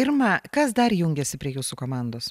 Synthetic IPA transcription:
ɪɾmɐkɐsd̪ɐɾjuŋʲɡʲɛsʲɪpʲɾʲiɛjuːsukoːmɑnd̪oːs

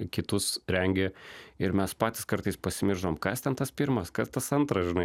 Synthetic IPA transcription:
kʲɪt̪ʊsɾʲɛŋʲɡʲeɪɾmʲɛspɑːt̪ʲɪskɐɾt̪ɐɪspɐsʲɪmʲɪɾʒoːmkɑst̪ʲɛnt̪ɐspʲɪɾmɐskɐst̪ɐsɐnt̪ɾɐsʒʲɪnɐɪ

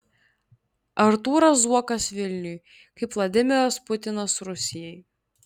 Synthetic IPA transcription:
ɐɾt̪uːɾɐsuɔkɐsʋʲɪlʲnʲʊj | kɐɪpʋlˠɐd̪ʲɪmʲɪɾɐspʊt̪ʲɪnɐsɾʊsʲɪjɛj

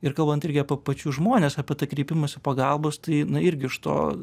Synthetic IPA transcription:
ɪɾkɐlˠbɐnt̪ɪɾʲɡʲɪɐpʲepɐt͡ʃʲuːʒmoːnʲeːsɑːpʲɛt̪ɐkɾʲiːpʲɪmɐsʲɪpɐɡɑlˠboːst̪ɐɪnʊɪɾʲɡʲɪɪʃt̪o̰ː

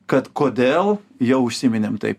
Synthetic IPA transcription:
kɐt̪koːd̪ʲeːlˠjɛʊʊʃʲsʲiːmʲɪnʲeːmt̪ɐ̰ɪp

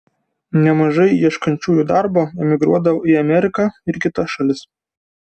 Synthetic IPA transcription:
nʲɛmɐʒɐɪiɛʃkɐnʲt͡ʃʲuːjuːd̪ɑɾboːɛmʲɪɡɾuɔd̪ɐʋoːiɐmʲɛɾʲɪkɑɪɾkʲɪt̪ɐʃɐlʲɪs

